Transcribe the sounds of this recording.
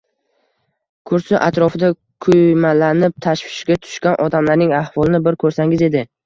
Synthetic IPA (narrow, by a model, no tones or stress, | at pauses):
kʰʊɾsɪʔat̪ɾɒfɪd̪a | kʰʊjmalanɪp̚t̪ʰaʃvɪʃɡʲat̪ʰʊ̥ʃkʲanʔɒd̪amlaɾnɪŋahvɒlˠɪnɪbɪɾkʰɵɾsaŋɪze̞d̪ɪ